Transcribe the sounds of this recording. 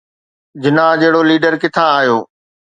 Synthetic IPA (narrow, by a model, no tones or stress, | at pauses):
d͡ʑɪnad͡ʑeɦɪɽoliːɖəɾkɪt̪ʰaːɦjoː